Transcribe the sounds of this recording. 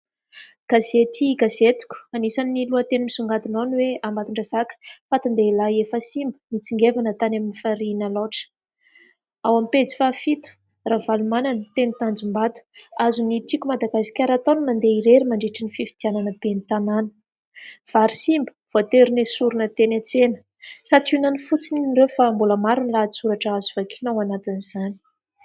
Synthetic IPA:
ɡ̥azet̪iɡazet̪u̥kʲu̥anisanːiluət̪enimisuŋɡat̪inonweambat̪iɳɖ͡ʐaz̥akə̥fat̪and̪eilaiefəsimbə̥mit͡siŋɡevanət̪anaminifaɾinəloʈ͡ʂə̥ | awamipet͡si̥fafit̪u̥ | ravalumananət̪enut̪and͡zumbad̪u̥azunit̪ikʲumad̪aɡasi̥kʲaɾat̪onimand̪eiɾeɾimaɳɖ͡ʐeʈ͡ʂinififid̪̥iananəbenit̪ananə̥ | v̥aɾisimbə̥v̥ot̪eɾinesuɾunət̪enet͡senə̥ | sat̪unanifut͡sininrewfambuləmaɾunilat͡suɾaʈ͡ʂazuvakʰi̥nawanat̪iniz̥ani̥

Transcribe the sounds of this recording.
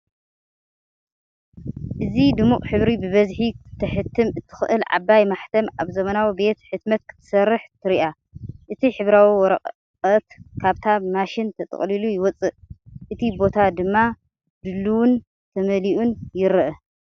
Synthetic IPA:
ʔɨzid̪ɨmuqʼħɨβɾibɨβɐzħit̪ʰːɐħɨt̪ʰːɨmɨt̪ʰːɨ̥xʔɨlʕa̰bajmaħt̪ʰɐma̰βzɐmɐnawibe̞t̪ħɨt̪mɐt̪̚kʰɨ̥t̪ʰːɨ̥sɐrːɨħt̪ʰɨɾiʔa | ʔɨt̪ʰiħɨβɾawiwɔɾɐqʼ | qʼɐt̪kʰaβt̪ʰamaʃɪnt̪ʰɐt̪ʼɨ̰χʼlilujɪwɔt͡sʼɨʔʔɨt̪ʰibo̞t̪ʰad̪ɨmːa | d̪ɨlːuwun | t̪ʰɐmɐliʔunjɪɾɨʔɐ

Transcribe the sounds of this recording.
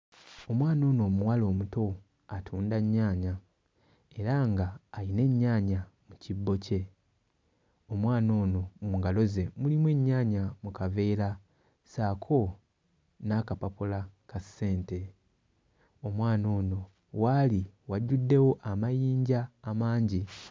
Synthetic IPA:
o̞mwaːno̞ːno̞ːmuwalo̞ːmuto̞ | atʰuːndaɲːaːɲa | e̞ɾaŋɡaːine̞ɲːaːɲamucibːo̞ce̞ | omwaːno̞ːno̞muŋɡalo̞ze̞mulimwe̞ɲːaːɲamukave̞ːɾa | saːkʰo̞ | nakapapulakasːe̞ːnte̞ | omwaːno̞ːno̞ | waliwaɟːudːe̞wo̞ʔamajiːɲɟaːmaːɲɟi

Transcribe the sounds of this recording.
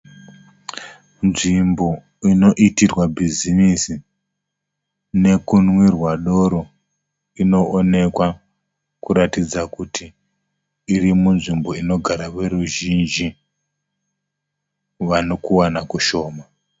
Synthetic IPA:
nʐimbo̞ | ino̞ʔitirwabʱizinisi | ne̞kunwirwaɗo̞ɾo | ino̞ʔone̞kwa | kuɾatid͡zakutʰiː | rimunʐimbo̞ino̞ɡʱaɾaʋe̞ɾruʒind͡ʒi | ʋanokuwanakuʃo̞ːma

